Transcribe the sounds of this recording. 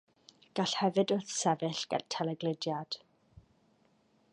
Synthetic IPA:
ɡ̥aɬhɛvɨdʊrθsɛvɨɬɡ̥ɛ̰tʰɛlɛɡlɪdjad̥

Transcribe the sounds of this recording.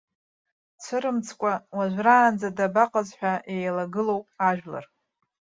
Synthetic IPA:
t͡sʷʰɨɾɨmt͡sʰkʷʼawaʒᶣʷraːnd͡zadabaqʼazħᶣʷaʔejlaɡɨlowpʼaʒᶣla̰r

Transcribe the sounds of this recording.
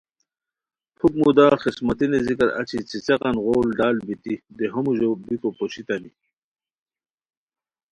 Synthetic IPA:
pʰukmud̪aːχismat̪inezikɐɾa̰t͡ɕʰit͡sit͡seqɑnʁoːlɖaːlbit̪id̪eɦomuʑobikopoɕit̪ɐni

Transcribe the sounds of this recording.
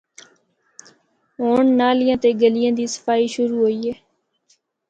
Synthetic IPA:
ɦoːɳnaːlɪjãːt̪eːɡəlɪjãːd̪iːsə̥faːiːʃʊɾuːɦoːiːɦeː

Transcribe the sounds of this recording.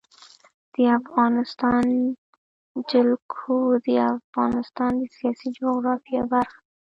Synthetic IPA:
d̪̥əafɣɑnɪst̪ɑn | d͡ʒɪlkʰod̪əafɣɑnɪst̪ɑnd̪əsijɑsid͡ʒoɣɾɑfijebaɾx

